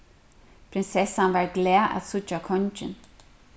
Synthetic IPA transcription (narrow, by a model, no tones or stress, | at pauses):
pʰɾɪnsɛsanvaɹɡlɛaʔa̰sʊt͡ʃakʰɔnt͡ʃɪ̰n